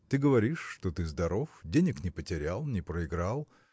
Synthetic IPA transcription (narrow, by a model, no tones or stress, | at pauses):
t̪ɨɡəvɐɾʲiʂːt̪ot̪ɨzd̪ɐɾo̞fdʲenʲɪknʲɪpətʲɪɾʲalˠnʲɪpɾəɪɡɾalˠ